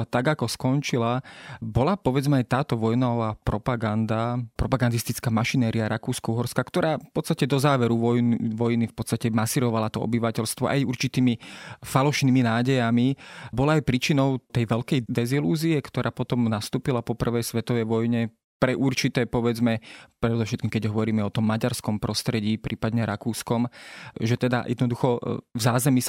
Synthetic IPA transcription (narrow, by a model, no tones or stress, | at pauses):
t̪aɡakɔskɔnt͡ʃilabɔlapɔʋɛd͡zmɛajt̪aːt̪ɔʋɔjnɔʋaːpɾɔpaɡand̪apɾɔpaɡand̪ist̪it͡skaːmaʃinɛːɾiaɾʔakuːskɔuɦɔɾskakt̪ɔɾaːffpɔt̪t͡st̪acɛd̪ɔzaːʋɛɾuʋɔjnʋɔjnifpɔt̪t͡st̪acɛmasiːɾɔʋalat̪ɔɔ̰biʋacɛlst̪ʋɔʔa̰juɾt͡ʃit̪iːmifalɔʃniːminaːɟɛjamibɔlaajpɾiːt͡ʃinɔʊt̪ɛjʋɛʎkɛjd̪ɛziluːziɛkt̪ɔɾʔaːpɔt̪ɔmnast̪uːpilapɔpr̩ʋɛjsʋɛt̪ɔʋɛjʋɔjɲɛ | pɾɛʔuɾt͡ʃit̪ɛːpɔʋɛd͡zmɛpɾɛd̪ɔfʃɛt̪kiːmkɛɟɦɔʋɔɾiːmɛɔt̪ɔmːaɟaɾskɔmpɾɔst̪ɾɛɟiːpɾʔiːpad̪ɲɛɾakuːskɔmʒɛt̪ɛd̪a̰jɛ̰d̪nɔd̪uxɔvzaːzɛmis